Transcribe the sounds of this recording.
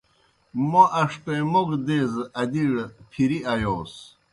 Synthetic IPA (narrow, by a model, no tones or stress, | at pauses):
moʔɐʂʈemoɡd̪eːzɐd̪iɽpʰiɾiɐjoːs